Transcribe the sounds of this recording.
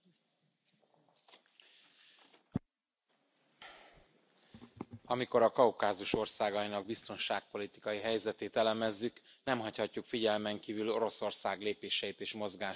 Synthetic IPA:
ɒmiko̞ɾɒkɒukaːzuʃo̞rsaːɡɒjinɒɡ̚bist̪o̞nʃaːk̚po̞lit̪i̥kɒjiɦɛjzɛt̪eːt̪ɛlɛmɛzːyk | nɛmɦɒchɒcːukfiɟɛlmɛŋkiːvylo̞ɾo̞so̞rsaːɡleːpeːʃɛjit̪eːʃmo̞zɡaː

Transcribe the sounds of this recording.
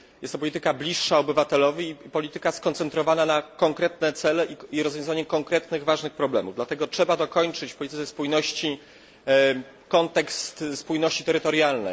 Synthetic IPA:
jɛst̪ɔpɔlʲit̪ɘkablʲiʂːaɔbɘvat̪ɛlɔvʲiːpɔlʲit̪ɘkaskɔnt̪sɛnt̪ɾɔvananakɔŋkɾɛt̪nɛt̪sɛlɛʔiiɾɔzvjɔ̃zaɲɛkɔŋkɾɛt̪nɘɣvaʐnɘxpɾɔblɛ̰mṵvd̪lat̪ɛɡɔtʂɛbad̪ɔkɔɲt͡ʂɘt͡ɕfpɔlʲit̪ɘt̪sɛspujnɔɕt͡ɕi | kɔnt̪ɛkst̪spujnɔɕt͡ɕit̪ɛɾɘt̪ɔɾjalnɛ̰

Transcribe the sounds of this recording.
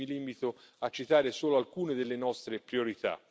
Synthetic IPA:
ilimit̪oat͡ʃːit̪aːɾesoːloalkuːned̪elːenɔst̪ɾepɾioɾit̪a̰

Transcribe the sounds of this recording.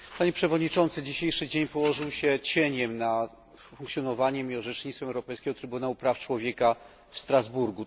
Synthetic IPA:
paɲɛpʂɛvɔd̪ɲit͡ʂɔnt̪sɘd͡ʑiɕejʂɘd͡ʑeɲpɔwɔʐɘwɕɛt͡ɕɛɲɛmna | fuŋkt̪sʲjɔnɔvaɲɛmiɔʐɛt͡ʂɲit̪fɛmɛwɾɔpɛjskʲɛɡɔt̪ɾɘbunawupɾaft͡ʂwɔvʲjɛka | fst̪ɾazbuɾɡu

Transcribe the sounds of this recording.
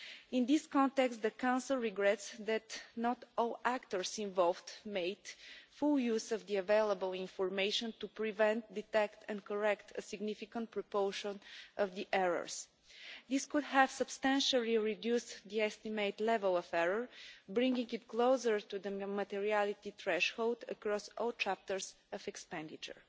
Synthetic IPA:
ĩnd̪iskɔ̃nt̪ɛkst̪d̪əkãw̃nsəlˠɹiɡɾɛt̪sðæt̪nɔt̪ɔlˠækt̪əɹsĩɱvɔlˠvd̪meɪd̪̥fulˠjuzəvd̪iəveɪlˠəbəlˠĩnfɔɹmeɪʃə̃nt̪upɹivɛ̃nt̪̚d̪it̪ɛkt̪ʰɛ̃nkəɹɛkt̪ʰəsɪɡnifikə̃nt̪̚pɾɹopoʊʃə̃nʔəvd̪iʔɛɹə̰ɹs | d̪iskud̪həv̥səb̥st̪æ̃nʃəlˠiɹid̪justd̪iɛst̪imeɪt̪lɛvəlˠəfɛɹəɹbɹɪ̃ŋɡĩŋɡɪt̪kloʊzəɹt̪ud̪əmat̪ɛɹialit̪it̪ɹɛʃholˠd̪ə̰kɹɔsɔlˠt͡ʃæp̚t̪əɹs | əvɛkspɛ̃nd̪it͡ʃə̰ɹ

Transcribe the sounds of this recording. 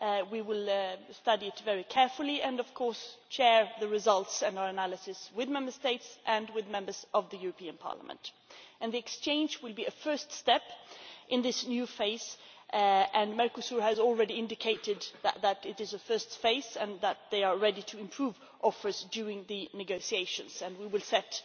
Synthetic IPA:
wiwɪlˠstʌɾiɨtvɛɹikʰɛɹfl̩ˠiʔɨ̃nʌv̥kʰɔɹst͡ʃʰɛɹðɨɹɨzʌlˠtsɨ̃naə˞ɨnælˠɨsɨswɨðmɛ̃mbə˞steɪtsʔɨ̃nwɨðmɛ̃mbə˞z̥ʔʌvðɨjʉɹəpʰĩɨ̃npʰɑ̰ɹlə̰mə̰̃nt | ɨ̃nðiɨkst͡ʃʰẽɪ̃nd͡ʒwɨlˠbiɨfɜ˞ststɛpʔɨ̃nðɪsnjʉfeɪs | ʔɨ̃nmɛɹkəsuɹɨzl̩ˠɹɛɾiɪ̃ndɨkʰeɪɾɨd̪̚ðɨʔðəɾɪɾɨzɨfɜ˞stfeɪsɨ̃nðət̪̚ðeɪə˞ɹɛɾiɾʰɨɨ̃mpʰɹ̥uv | ʔɔfə˞zdʉɹɪ̃ŋðɨnɨɡoʊsieɪʃɨ̃nz̥ɨ̃nwiwɨlˠsɛt

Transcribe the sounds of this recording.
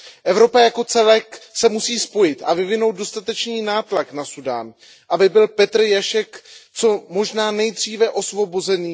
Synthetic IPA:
ʔɛvɾo̞pajako̞t͡sɛlɛksɛmusiːspo̞jɪt̪ʔavɪvɪnowt̪̚do̞st̪at̪ɛt͡ʃniːnaːt̪laknasuda̰ːn | ʔabɪbɪlpɛt̪r̩jaʃɛkt͡so̞mo̞ʒnaːnɛjd̪riːvɛʔo̞svo̞bozɛniː

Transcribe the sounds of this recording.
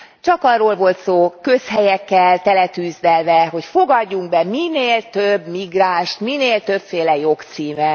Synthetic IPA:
t͡ʃɒkɒrːoːlvo̞lt̪soːkø̞shɛjɛkːɛlt̪ɛlɛt̪yːzd̪ɛlvɛɦo̞cfo̞ɡɒɟːuŋɡ̚bɛmineːlt̪øbmiɡraːʃt̪mineːlt̪ø̞pfeːlɛjo̞kt̪siːmɛ

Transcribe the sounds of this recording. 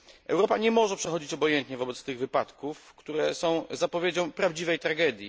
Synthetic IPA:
ʔɛ̰wɾɔpaɲɛmɔʐɛpʂɛxɔd͡ʑit͡ɕɔbɔjɛnt̪ɲɛvɔbɛt̪st̪ɘɣvɘpat̪kufkt̪uɾɛsɔ̃w̃zapɔvʲjed͡ʑɔ̃w̃pɾavd͡ʑivɛjt̪ɾaɡɛd̪ʲji

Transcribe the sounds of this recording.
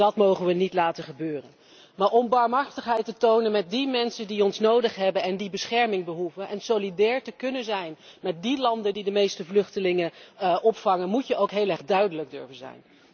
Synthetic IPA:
dɑtmowχənʋənitlaːtəχəbøːrən | maːɹɔmbaːɹmɦɑɹχtəχɦɛjtətownənmɛt̚dimɛnsəndiɔnsnowdəχɦɛbənɛndibəsχɛɹmɪŋbəɦuvənʔɛnsolidɛːɹtəkɵnənzɛjnmɛt̚dilɑndəndidəmejstəvlɵχtəlɪŋəʔɔpfɑŋənmutjəʔowkɦejlˠɛχdœɥdələɡ̚dɵɹvənzɛ̰jn

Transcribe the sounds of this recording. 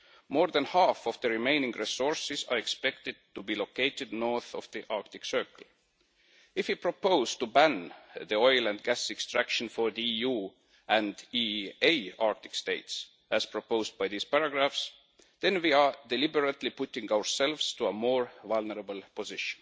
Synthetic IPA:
moːɹðæ̃nhæfovðəɹimẽɪnɪ̃ŋɡɹisoɹsɪsɑ̰ɹekspek̚t̪ɪd̪̥̚t̪ubilokeɪt̪ɪd̪noɹθɔvðiʔɑɹk̚t̪ɪksɜ˞kəl̩ | ɪfhipɹopoʊz̥t̪ubæ̃nðiojlæ̃nd̪̚ɡæsekst̪ɹækʃə̃nfoɹðiiju | æ̃nd̪iejɑɹk̚t̪ɪ̥kst̪eɪt̪s | æz̥pʰɹopoʊzd̪̚bajðiːz̥pæɹaɡɹafs | ð̥ẽnwiɑd̪ɛlibəɹət̪lipʊt̪ĩŋɡawəɹselvst̪uəmoːɹvalnəɹəbəl̩pʰozɪʃə̥̃n

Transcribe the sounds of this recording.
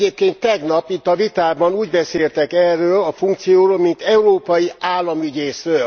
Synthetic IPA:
eːp̚keːnt̪ːɛɡnɒpit̪ːɒvit̪aːbɒnuːɟbɛseːlt̪ɛkɛrːøːlɒfuŋkt̪sijoːɾoːlmint̪ɛuɾoːpɒjiʔaːlːɒmyɟeːsrøːl

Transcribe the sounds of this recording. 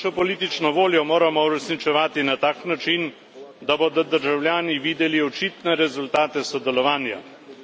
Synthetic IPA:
ɔpɔliːt̪it͡ʃnɔʋoːljɔmoːɾamɔuɾɛsnit͡ʃɛʋaːt̪inat̪aːknat͡ʃin | d̪abod̪ɔd̪əɾʒawljaːniʋiːd̪ɛliɔt͡ʃiːt̪nɛɾɛzult̪aːt̪ɛsɔd̪ɛlɔʋaːnja̰

